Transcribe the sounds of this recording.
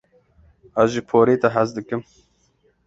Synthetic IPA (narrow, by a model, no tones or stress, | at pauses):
æzʒipʰoːɾeːt̪ɛɦæzd̪ɨkɨm